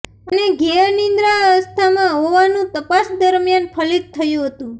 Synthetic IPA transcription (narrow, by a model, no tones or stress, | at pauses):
əneɡeənind̪ɾaəst̪ʰamãɦoʋanũt̪əpasd̪əɾmjanpʰəlid̪̚t̪ʰːəjũɦət̪ũ